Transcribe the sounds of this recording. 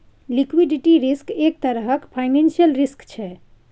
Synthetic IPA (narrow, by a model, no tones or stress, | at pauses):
lɪkwiɖɪʈiɾɪskeːk̚t̪əɾəɦəkpʰaːɪnẽːnsijəlɾɪskt͡ʃʰɛː